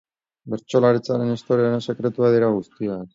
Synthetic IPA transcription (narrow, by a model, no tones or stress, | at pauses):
be̞ɾt͡ʃo̞laɾit͡saɾe̞nest̪o̞ɾeaɾense̞kɾe̞t̪uað̞iɾaɣ̞ust̪iak